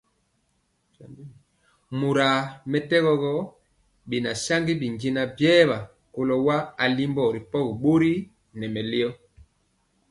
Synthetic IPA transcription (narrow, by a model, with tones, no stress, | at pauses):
mu˨ɾa˨mɛ˨tɛ˦ɣɔ˨ɣɔ˦ | bi˨na˨sa˦ŋɡi˦bi˨ŋd͡ʒi˦na˦bjɛː˦βa˨ | ko˨lɔ˨wa˦a˨li˦mbɔ˦˨ɾi˨pɔ˦kɓo˦ɾi˦ | nɛ˨mɛ˨le˦ɔ˦